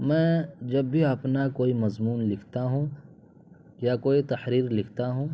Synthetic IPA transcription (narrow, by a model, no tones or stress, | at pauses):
mɛ̃ːd͡ʒɐbːʱiɐpnakoːimɐzmuːnlɪkʰt̪aɦũː | jakoːit̪ɐħɾiːɾlɪkʰt̪aɦũː